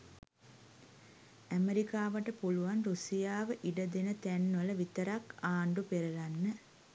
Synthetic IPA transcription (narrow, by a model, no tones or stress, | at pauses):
æmeɾikaːʋəʈəpuluʋanɾusijaːʋəʔiɖəd̪enət̪ænːələʋit̪əɾakaːɳɖupeɾɐlanːə